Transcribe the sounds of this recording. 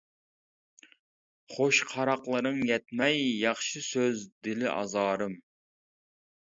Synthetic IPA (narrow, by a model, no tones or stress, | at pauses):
χoʃqʰɑɾɑqlˠɨɾɨŋjɛt̪mɛjːɑχʃɨsøzd̪ɪlɪʔɑ̰zɑːɾɨm